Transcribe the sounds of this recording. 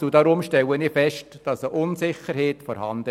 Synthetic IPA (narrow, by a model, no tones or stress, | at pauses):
udɑːɾʊmʃtɛwəniːfɛʃtd̥ɑsəʔʊnsɪχəɾheːtfɔɾhɑ̰ndə